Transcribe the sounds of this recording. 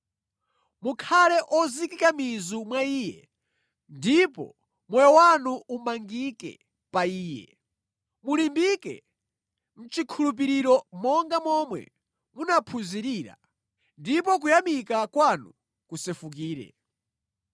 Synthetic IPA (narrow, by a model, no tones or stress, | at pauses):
mukʰalɛʔɔzikikamizumwaiːjɛ̰ | ndipɔ̰ | mwɛjɔwanuumaŋɡikɛ̰ | paiːjɛ̰ | mulimbikɛ̰ | m̩t͡ʃikʰulup̬iɾiɾɔmɔŋɡamɔmwɛ̰ | munapʰunziɾiːɾa̰ | ndipɔk̬ujamikakwanu | kusɛfuk̬iːɾɛ̰